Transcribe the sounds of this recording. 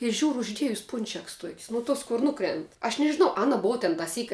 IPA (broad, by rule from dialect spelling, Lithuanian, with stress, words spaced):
ɪ ˈʒʲuːrʊ ˈʊʒʲdʲiɛjʊs ˈpʊnʲt͡ʃʲɛks tuɔkʲsʲ nʊ ˈtuɔs kʊr ˈnʊkrʲɛnt ɐʃ nʲɛʒʲɪˈnɐʊ ˈɑːnɐ ˈboːʋɐ tʲɛn tɐˈsʲiːkʲ